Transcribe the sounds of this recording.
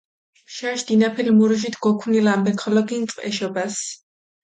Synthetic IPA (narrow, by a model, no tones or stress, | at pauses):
ʃaʃd̪̥inapʰɛlmuɾuʃ̬it̪ʰɡɔkʰunilambɛkʰɔlɔɡint̪sʼqʼɛ̰ʃɔbas